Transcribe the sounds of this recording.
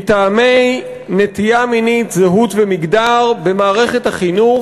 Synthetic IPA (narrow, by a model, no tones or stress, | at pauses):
t̪aːme̞j | netijaminit̪zeɦut̪vemiɡdaʁbemaːʁe̞χethaχinu